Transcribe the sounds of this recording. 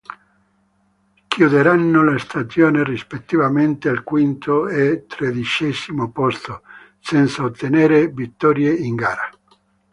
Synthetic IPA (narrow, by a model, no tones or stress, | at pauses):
kjud̪eɾanːolest̪asjoːnirispet̪ːivament̪ealkwint̪oet̪ɾed̪it͡ʃɛsimopɔst̪o | sɛnt̪saot̪ːeneːɾevit̪ːɔɾjeiŋɡaːɾa